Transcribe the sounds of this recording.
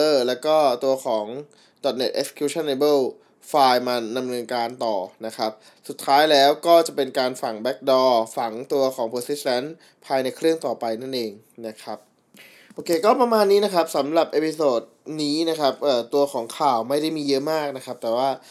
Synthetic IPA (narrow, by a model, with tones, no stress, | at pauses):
ʔɤː˧˩lɛː˦˥wkɔː˥˩t̪u˧ɐxʰɔː˩˦ŋ | dɔ˨˩t̪̚ne˨˩t̪ʔe˦˥k̚se̥˧kʰju˧˥t͡ɕʰa˥˩nle˧bɤː˥˩w | faː˧jmaː˧da˧mnɤː˧nkaː˧nt̪ɔː˨˩na˦˥kʰa˦˥p̚ | su˨˩t̪ʰːaː˦˥jlɛː˦˥wkɔː˥˩t͡ɕa˨˩pe˧nkaː˧nfa˨˩ŋbɛ˦˥k̚dɔː˧fa˨˩˦ŋt̪u˧ɐkʰɔː˩˦ŋpʰoː˧si˦˥a˦˥n | pʰaː˧jna˧jkʰɾɯ˥˩əŋt̪ɔː˨˩pa˧jna˥˩nʔeː˧ŋ | na˦˥kʰɾa˦˥p̚ | ʔoː˧˩kʰeː˧kɔː˥˩pɾa˧maː˧nːiː˦˥na˦˥kʰa˦˥p̚sa˩˦mɾa˨˩p̚ʔeː˧pʰi˧soː˨˩t̪̚niː˦˥na˦˥kʰa˦˥p̚ʔɤː˨˩t̪u˧ɐkʰɔː˩˦ŋkʰaː˨˩wma˥˩jda˥˩jmiː˧jɤ˦˥ʔmaː˥˩k̚na˦˥kʰa˦˥p̚t̪ɛː˨˩waː˥˩